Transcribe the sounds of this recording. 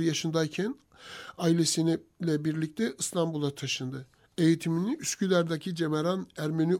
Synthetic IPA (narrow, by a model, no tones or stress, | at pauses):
jaʃɯnd̪ajcʰæn | aːilʲe̞sinilʲɛbiɾlʲic̚t̪ʰɛʔɯst̪ʰambulˠat̪ʰaʃɯnd̪ɯ | e̞jit̪ʰiminiʔyscʰylʲæɾd̪acʰid͡ʒe̞meɾanæɾmeny